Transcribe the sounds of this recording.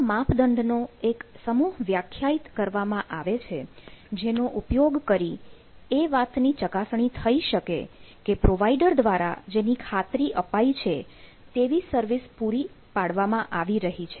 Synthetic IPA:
mãpd̪əɳɖnoeksəmuɦʋjakʰjait̪kəɾʋamãʔaʋet͡ʃʰed͡ʒenoʔupjoɡkəɾi | eʋat̪nit͡ʃəkasɳ̃it̪ʰəiʃəkḛkepɾoʋaiɖəɾd̪ʋaɾa̰d͡ʒenikʰat̪ɾiʔəpait͡ʃʰe | t̪eʋisəɾʋispuɾi | paɽʋamãʔaʋiɾəɦit͡ʃʰe

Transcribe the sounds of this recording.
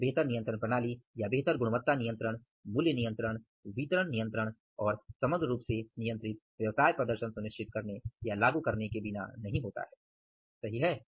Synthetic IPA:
beɦt̪əɾnijə̃nt̪ɾəɳpɾɐñaːlijabeɦt̪əɾɡʊɽʊʋət̪ːanijə̃nt̪ɾəɽ̃ | muljənijə̃nt̪ɾəɽ̃ | ʋiːt̪ɾəɳ̃nijə̃nt̪ɾəɽ̃ | ɔːɾsɐməɡɾɾuːpsenijə̃nt̪ɾɪt̪̚ʋjɐʋsaːjpɾɐd̪əɾʃənsʊnɪʃt͡ʃɪt̪̚kɐɾnejalaːɡukɐɾnekebɪna̰nɐɦĩɦoːt̪a̰ɦɛː | sɐɦiɦɛː

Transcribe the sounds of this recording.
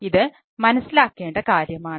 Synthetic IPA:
iðɨ | mɐnɐsːilaːkːe̞ːɳɖɐkaːɾjɐmaːɳ

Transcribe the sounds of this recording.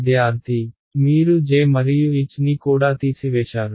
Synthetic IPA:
d̪ɪjaːɾt̪iː | miːɾuːd͡ʒeːməɾɪjuːɪt͡ʃniːkoːɽaːt̪iːsɪʋeːʃaːɾ

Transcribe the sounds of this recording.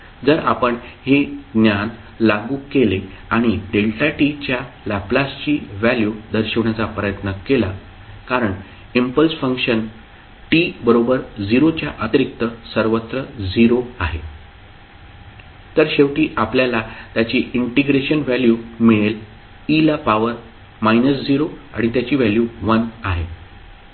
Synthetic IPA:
d͡zəɾapəɳheɡnjan | laɡuːkele | aɽ̃iɖelʈaʈit͡ɕjalaplast͡ɕiːʋæljud̪ʱəɾɕəʋɳjat͡sapɾəjət̪nəkela | kaɾəɳ | impəlsfəŋkɕən | ʈibəɾobəɾd͡ziɾot͡ɕjaʔət̪ɾik̚t̪əsəɾʋət̪ɾəd͡ziɾoaɦe | t̪əɾɕeʋʈiːʔapljalat̪jat͡ɕiːʔiɳʈiɡɾeɕənʋæljumiɭel | ilapaʋəɾ | mainəsd͡ziɾoa̰ɽ̃it̪jat͡ɕiːʋæljuʋənaɦe

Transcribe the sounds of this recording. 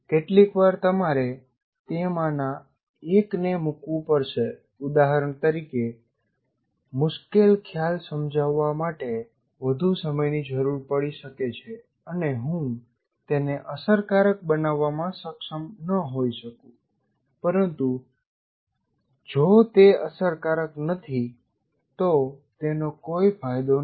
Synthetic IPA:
keʈlikʋaɾt̪əmaɾe | t̪emana | eknemukʋũpəɾʃe | ud̪aɦəɾəɳ̃t̪əɾike | mʊʃkelkʰjalsəmd͡ʒʱaʋːamaʈe | ʋəd̪ʱusəməjnid͡ʒəɾuɾpəɽiʃəket͡ʃʰe | əneɦũ | t̪eneʔəsəɾkaɾək̚bənaʋːamãsəkʃəmnəɦoiʃəkũ | pəɾənt̪u | d͡ʒot̪eəsəɾkaɾəknət̪ʰi | t̪ot̪enokoifʰajd̪o

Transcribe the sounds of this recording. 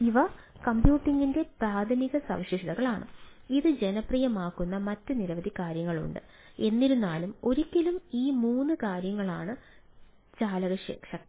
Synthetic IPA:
iʋɐ | kɐmbjuːʈːiŋɡinde̞praːd̪ʱɐniɣɐsɐ̰ʋɕiʂɐðɐɣɐɭaːɳɨ̰iðɨd͡ʑe̞nɐprijɐmaːkːunːɐmɐtːɨniɾɐʋɐd̪ʱikaːɾjɐŋːɐɭṵɳɖɨ̰ | e̞nːiɾunːaːlumo̞ɾikʲːilumiːmuːnːɨkaːɾjɐŋːɐɭaːɳɨ | t͡ɕaːlɐɣɐʂḛːkʂɐk

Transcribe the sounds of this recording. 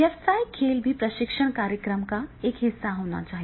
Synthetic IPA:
jɛfsaikʰeːlbʱipɾəʃɪkʂəɳ̃kaːɾjəkɾəmkaekɦɪsːaɦoña̰t͡ʃaːɦij

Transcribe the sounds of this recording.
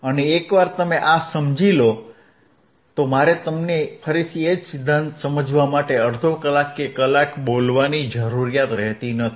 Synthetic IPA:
əneːkʋaɾt̪əmeʔasəmd͡ʒilo | t̪omaɾet̪əmnepʰəɾisʰied͡ʒsɪd̪ʱːant̪səməd͡ʒʋamaʈeəɾd̪ʱokəlakːekəlakbolʋanid͡ʒəɾuɾijat̪ɾɛɦt̪inət̪ʰi̥

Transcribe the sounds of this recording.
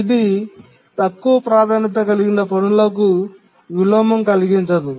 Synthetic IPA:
id̪i | t̪ɐkːuʋɐpɾaːd̪ʱaːnit̪̬ɐkɐliɡinɐponuloːk̬u | ʋiloːmɐmkɐliɡiɲt͡ʃɐd̪u

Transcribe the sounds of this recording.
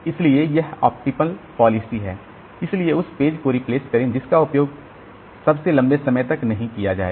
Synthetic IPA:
ɪsliejɛɦɔ̰ːp̚ʈɪpəlpɔːlɪsiɦɛ̰ː | ɪslieʊspeːd͡ʒkoɾɪpleːskɐɾẽd͡ʒɪskaʊpjoːɡ | sɐbselɐ̃mbesɐməjt̪ɐknɐɦĩkijad͡ʒa̰ːḛː

